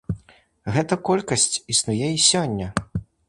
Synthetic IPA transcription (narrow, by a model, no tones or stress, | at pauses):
ɣɛt̪ɐkɔlʲkɐsʲt͡sʲisnujɛisʲɔnʲːɐ